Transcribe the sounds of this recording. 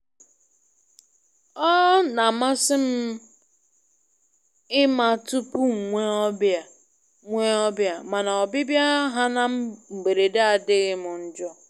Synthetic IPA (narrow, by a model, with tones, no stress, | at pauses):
ɔ˦na˨ma˦sɪ˦m̩˦ | ɪ˦ma˨tu˦pu˦ŋ̩˨ŋʷe˦ɔ˦bja˨ | ŋʷe˦ɔ˦bja˨ma˨na˨ɔ˨bɪ˦bja˦ɦa˦na˦m̩˦m̩˨ɡ͡be˨ɾe˨da˦a˨dɪ˦ɣɪ˦mʊ˨n̩˦d͡ʒɔ˦